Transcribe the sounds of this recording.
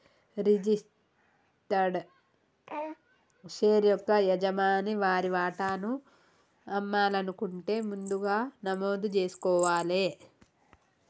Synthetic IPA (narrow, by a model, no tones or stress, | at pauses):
ɾid͡ʒis | ʈɐɾɖ | ʃeːɾjɔkːɐjɐd͡ʒɐmaːniʋaːɾiʋaːʈaːnu | ɐmːaːlɐnukuɳʈe̞ːmund̪uɡaːnɐmoːd̪ut͡ʃe̞ːsu̥kɔːʋaːle̞ː